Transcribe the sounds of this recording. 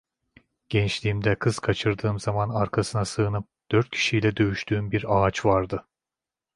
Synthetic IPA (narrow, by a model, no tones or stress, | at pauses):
ɟ̥ɛnt͡ʃlʲiːmd̪ɛkʰɯz̥kʰat͡ʃʰɯɾd̪ɯːmzamanaɾkʰasɯnasɯːɯnɯp̚d̪̥øɾt̪̚cʰi̥ʃijlʲɛd̪ø̞jyʃt̪ʰyːmbiɾaːt͡ʃvaɾd̪ɯ